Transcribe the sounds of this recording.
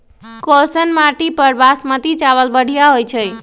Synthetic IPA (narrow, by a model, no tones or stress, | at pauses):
kɔsənmaʈipəɾbasmət̪it͡ʃaβəlbəɽ̤ʱijaɦojt͡ʃʰəj